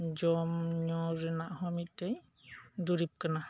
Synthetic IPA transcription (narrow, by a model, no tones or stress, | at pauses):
d͡ʒɔmɲɔɾɯnaʔhɔmitej | duɾip̚kana